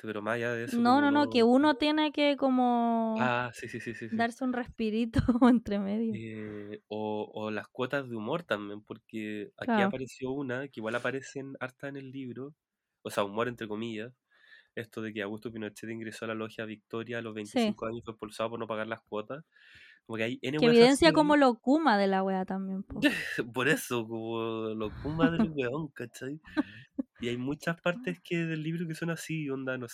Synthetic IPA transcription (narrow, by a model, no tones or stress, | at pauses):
peɾomasaʝaðeesnononokeunot̪jenekekomoasisisisisd̪aɾseunrehpiɾit̪oent̪ɾemeðjoeoolahkwo̞t̪azðeumo̞ɾt̪ambjenpoɾkea̰kaiapaɾesjo̞unakeiɣwalapaɾeseːnaɾt̪aene̞lːiβɾo | oseaumo̞ɾe̞nt̪ɾe̞komiʝas | est̪oð̞e̞keaɣust̪opinot͡ʃet̪eiŋɡɾe̞soalaloxjaβik̚t̪o̞ɾjaːlozβe̞jnt̪sisiiŋkoaɲosfwepulsaop̬oɾno̞paɣaɾlahkwo̞t̪as | komokeajeneweeiðensjakomolokumaðelaɣweat̪ambjempopoɾesokomolokumaðelweoŋkat͡ʃaj | iajmut͡ʃaspaɾt̪eskeðelːiβɾok̬eso̞nasiond̪anos